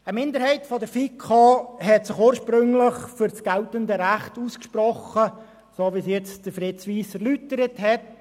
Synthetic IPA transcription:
əmɪnd̪əɾhɛɪtfɔdəɾfikʰɑɦɛtsɪχuːɾʃpɾɵŋlɪχfʏɾt͡sɡ̥ɛltəndəɾæχtuːskʃpɾɔχə | soːʋisjɛt͡sd̥əfɾɪtsʋiːsɛɾlytəɾəthɛt

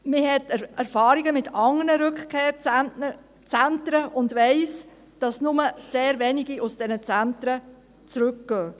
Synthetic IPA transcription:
mɪɦɛtæɾfɑːɾiɡəmɪtʰɑŋːənəɾʏkχkʰeːɾ | t͡sæntɾəʔʊndʋɛɪs | d̥ɑsnʊməseːɾvɛniɡiʔʊsd̥ɛnət͡sæntɾə | t͡sɾʉk̚ɡ̥œː

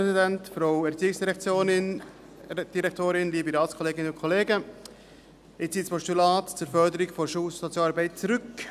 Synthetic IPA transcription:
ɛzidɛntfɾoʊɛɾt͡siːɪksd̥iɾɛkt͡sjoːnɪn | d̥iɾɛktʰoːɾɪnliːbəɾaːlskʰɔleːɡɪnəʊnkʰoleːɡə | ɪt͡siːspʰɔstulaːtt͡suːɾfœɾdəɾɪɡfoʃussot͡sjaːɑːɾbɛɪt̚t͡suɾʏk

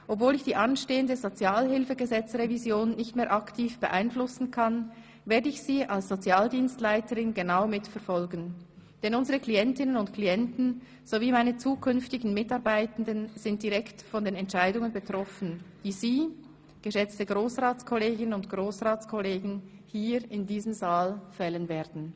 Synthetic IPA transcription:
ʔɔpv̥oːlɪçd̥iːʔanʃteːəndəzot͡sjaːlɦɪlfəɡəzɛt͡sʁevizjoːnːɪçtmeːɐʔaktʰiːfb̥əʔa̰ɪnflʊsn̩kʰan | veːɐdəɪçsiːʔalsz̥ot͡sjaːldiːnstlaɪtəʁɪnɡənaʊmɪtfɛɐfɔlɡn̩d̥ɛnʊnzəʁəkliɛntɪnənʊntkʰliɛntn̩ | z̥oviːmaɪnət͡suːkʰʏnftɪɡn̩mɪtɑʁbaɪtən̩dənz̥ɪnt̚d̥iʁɛktfɔndeːnɛntʃaɪdʊŋənbətʁ̥ɔfn̩d̥iːziː | ɡ̥əʃɛt͡stəɡʁoːsʁaːt͡skʰɔleːɡɪnənʊntɡ̥ʁoːsʁaːt͡skʰɔleːɡn̩hiːɾɪndiːzəmzaːlfɛlənveːd̥n̩

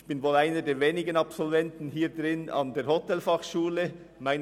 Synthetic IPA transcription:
çb̥ɪnvoːlaɪnədeːveːnɪɡənɑpsɔlvɛntn̩hiːɾdʁɪnɑ̰ndeːɾhɔtɛlfɑχʃuːlə | maɪn

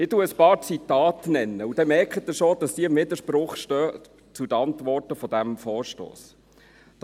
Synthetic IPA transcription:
ɪtuəəspɑːɾt͡sitːɑːtnɛnːəud̥ɛmɛɾkχət̚ːəʃod̥ɑsdiɪmːɪdəʃpɾʊχʃtœː | t͡sudəɑntvɔrtəfɔdæmfɔːɾʃto̰ːs

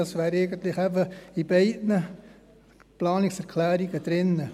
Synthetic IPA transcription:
ɑsʋæːɾɛɪɡənt̪lɪχɛbəib̥ɛɪdnə | plɑːnɪksɛɾkʰlæːɾiɡəd̥ɾɪnːə

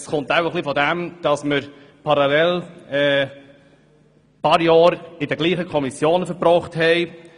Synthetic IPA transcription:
sχʊntawəχlifɔdæmd̥ɑsməɾ | pʰɑɾɑlɛlɛː | pɑɾjɑːɾɪdəɡ̥liːχəkʰɔmisjoːnəfəɾbɾɔχthɛɪ

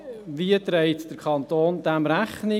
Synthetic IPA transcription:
viət̪ɾɛɪtd̥əɾkʰɑnt̪oːnd̥̪æmɾæχnɪ

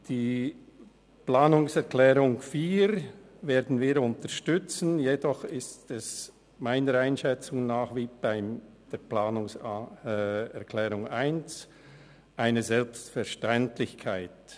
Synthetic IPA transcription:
d̥iː | plaːnʊŋsɛʁklɛːʁʊŋfiːɾ | veːdn̩viːɾʊntəʃtʏt͡sn̩jedɔχɪstɛs | maɪnəɾaɪnʃɛt͡sʊŋnaːχviːb̥aɪm | d̥eːplaːnʊŋs | ɛʁkʰlɛːʁʊŋaɪnt͡s | ʔaɪnəzɛlpstfɛɾʃtɛntlɪçkʰaɪt

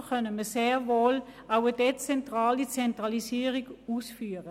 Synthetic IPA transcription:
χœnəməseːʁvoːlaʊədet͡sɛntʁaːlit͡sɛntʁalisiːʁiɡuːsfyːʁə

